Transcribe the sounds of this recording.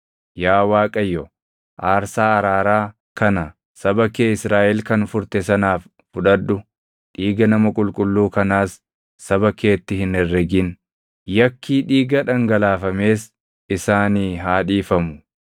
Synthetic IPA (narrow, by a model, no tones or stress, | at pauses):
jaːwaːkʼɐjːɔ | ʔaːɾsaːɐɾaːɾaː | kɐnɐ | sɐbɐkeːɪsɾaːʔɛlkɐnfʊɾt̪ɛsɐnaːf | fʊᶑɐd̪ːʊ | ᶑiːɡɐnɐmɐkʼʊlkʼʊlːuːkɐnaːsː | ɐbɐkeːt̪ːɪhɪnɛrːɛɡɪn | jɐkʰːiːᶑiːɡɐᶑɐŋɡɐlaːfɐme̞ːs | ɪsaːniːɦaːᶑiːfɐmʊ